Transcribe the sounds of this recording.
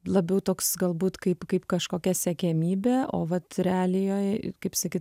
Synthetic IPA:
lˠɐbʲɛʊt̪oːksɡɐlˠbuːt̪kɐɪpkɐɪpkɐʃkoːkʲɛsʲɛkʲɛmʲiːbʲeːʔo̰ːʋɐt̪ɾʲɛɑːlʲɪjoːjkɐɪpsɐkʲiːt̪

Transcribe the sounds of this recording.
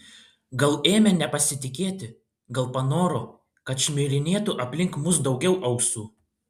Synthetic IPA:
ɡɐlˠeːmʲɛnʲɛpɐsʲɪt̪ʲɪkʲeːt̪ʲɪ | ɡɐlˠpɐnoːɾo | kɐt̪ʃʲmʲɪɾʲɪnʲeːt̪uʔɐpʲlʲɪŋkmʊsd̪ɒʊɡʲɛʊʔɐʊksuː

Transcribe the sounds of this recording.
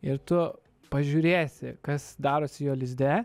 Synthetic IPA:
ɪɾt̪ʊ | pɐʒʲuːɾʲeːsʲɪkɐsd̪ɑːɾoːsʲɪjoːlʲɪzʲd̪ʲæː

